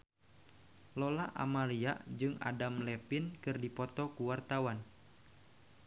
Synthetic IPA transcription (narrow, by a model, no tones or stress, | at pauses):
lɔlaʔa̰maliaʔd͡ʒɨŋa̰damlɛpinkɨrdipɔt̪ɔkuwart̪awan